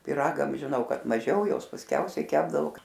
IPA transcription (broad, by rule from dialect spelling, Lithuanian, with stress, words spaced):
pʲɪˈrɑːɡɐm ʒʲɪˈnɐʊ kɐt mɐˈʒʲɛʊ ˈjoːs pɐsʲˈkʲɛʊsʲɛɪ ˈkʲæːbdɐʋoː